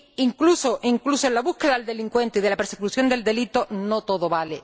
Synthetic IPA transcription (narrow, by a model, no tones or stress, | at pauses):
iŋkluso̞ʔiŋklusoenlaβuhkeðaeld̪e̞liŋkwe̞nt̪eiðe̞lape̞ɾsekusjo̞nd̪e̞ld̪e̞lit̪o̞no̞t̪o̞ðo̞βale